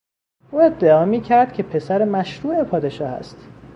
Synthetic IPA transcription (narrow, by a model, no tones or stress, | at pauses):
ʔuːe̞d̪ːeɒːmiːcʰæɾd̪̥̚cʲʰe̞pʰe̞sæɾemæʃɾuːe̞pʰɒːd̪e̞ʃɒːhæ̰st̪